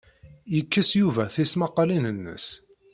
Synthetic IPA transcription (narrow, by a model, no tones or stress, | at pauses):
jəkːəsjuvæθismɑqːɑlinənːə̰s